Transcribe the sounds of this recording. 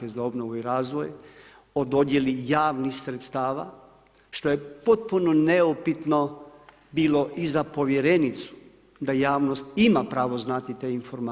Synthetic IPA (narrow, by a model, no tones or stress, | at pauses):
kezao̞bnoʋuiɾaːzʋo̞j | o̞d̪od̪je̞lijaːʋnixsɾet̪st̪aːʋa̰ | ʃt̪o̞jepo̞t̪̚punoneopit̪no̞ | biːlo̞ʔizapo̞ʋje̞ɾenit̪su̥ | d̪ajaːʋno̞st̪imapɾaːʋo̞znat̪it̪e̞ːinfo̞ɾma